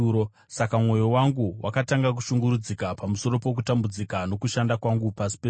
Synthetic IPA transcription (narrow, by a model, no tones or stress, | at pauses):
o | sakamwo̞jowaŋɡuwʔa̰kataŋɡak̬uʃuŋɡuɾud͡zikapamuso̞ɾo̞po̞k̬utambud͡zikano̞kuʃandakwaŋɡupasi̥pe